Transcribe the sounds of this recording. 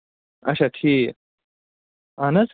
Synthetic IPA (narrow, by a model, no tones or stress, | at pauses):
ɐ̰ɕʰaʈʰiː | ɐnɐs